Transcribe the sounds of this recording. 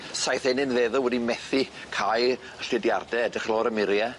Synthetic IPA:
sajθɛnɨnðeːðɔwɛdimɛθikʰaj | əɬɪdjardɛɛdɪχlˠɔːɾəmɪɾja

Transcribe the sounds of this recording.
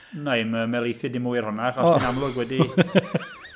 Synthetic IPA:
najməmɛlˠejθɨdɪmuːjrhʊnaχɔsinamlˠʊɡwɛdi

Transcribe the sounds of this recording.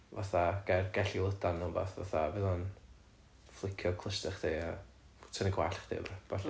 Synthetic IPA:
vaθaɡ̥ɛrɡ̥ɛɬilˠədanːəbɔ̰θva̰θavɪðɔn | flˠɪkʰjɔkʰlˠəstəχd̥ʰia | tʰəniɡwaɬχd̥ɪ̰vb̥aɬ

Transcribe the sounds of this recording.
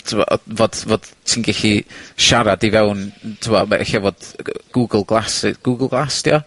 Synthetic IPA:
tʰɪwɔ̰ʔɔ̰voːd̥voːd̥tʰiːnɡɛɬiʃaɾadivɛwntʰumɔmaʔɛ̰xavoːd̥ɡ̥uɡəlˠɡlˠasɡ̥uːɡəlˠɡlˠasd̥ijɔ

